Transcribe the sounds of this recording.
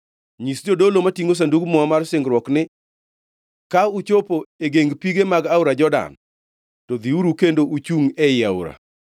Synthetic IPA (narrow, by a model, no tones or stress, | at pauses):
ɲisd͡ʒodolomatiŋos̬andukmɔmarsɪŋɡɾwɔknɪ | kaut͡ʃopoeɡeŋɡpiɡemaɡawɾad͡ʒɔda̰n | tɔd̪iuɾukendoʔut͡ʃuŋɛɪaṵɾa̰